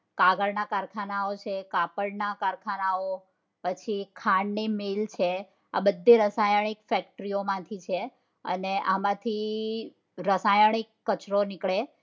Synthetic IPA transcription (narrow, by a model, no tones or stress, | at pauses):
kaɡəɾnakaɾkʰanaot͡ʃʰekapəɽnakaɾkʰanao | pət͡ʃʰikʰãɳɖnimelt͡ʃʰe | a̰bəd̪ʱːiɾəsajəɳ̃ikfɛk̚ʈɾiomãt̪ʰit͡ʃʰe | ə̰neʔamãt̪ʰi | ɾəsajəɳ̃ikːət͡ʃɾonɪkɭe